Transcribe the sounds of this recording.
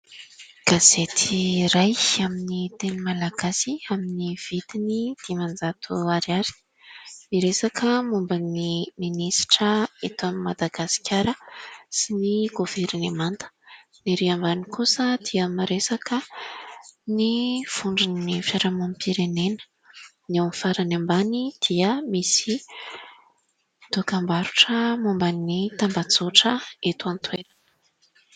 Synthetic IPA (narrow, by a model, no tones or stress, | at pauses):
ɡ̥az̥et̪ʰiɾajaminit̪enimalaɡ̥asiaminiv̥it̪inid̪̥imand͡zat̪ʰuaɾiaɾi̥ | niɾesakʰəmumbəniminisi̥ʈ͡ʂəet̪animad̪aɡasi̥kʰʲaɾəsiniɡoveɾinemant̪ə̥ | niɾiambanikusəd̪̥iəmaɾesakə | niv̥uɳɖ͡ʐinːifaɾamamipiɾenenə̥ | nawnifaɾanambanid̪̥iəmisi | d̪̥okambaɾuʈ͡ʂəmumbanit̪ambat͡soʈ͡ʂəet̪want̪welan